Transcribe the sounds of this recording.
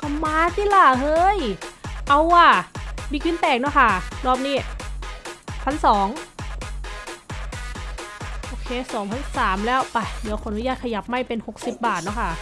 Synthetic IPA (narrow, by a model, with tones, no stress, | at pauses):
kɔ˧˩maː˧˥siː˧˩˨la˧˩hɤː˧jʔa˧˩wʔaː˧˩miː˧˩kwi˧˥˨nt̪ɛː˨˩k̚nɔː˦˥˩kʰa˥˩dɔː˧˩p̚niː˦˥˩ | pʰa˧˥˩nsɔː˩˦ŋ | ʔoː˧kʰeː˧˩sɔː˩˦ŋpʰa˧˥nsaː˩˦mlɛː˦˥˩wpa˧˩jdiː˨˦˧kʰoː˧˨ʔa˨nu˦˥jaː˧˥˩t̪̚kʰa˧ja˨˩˦p̚ma˧˥˩jpe˧nho˨˩k̚si˨˩p̚baː˨˩t̪̚nɔ˧˥˩kʰa˥˩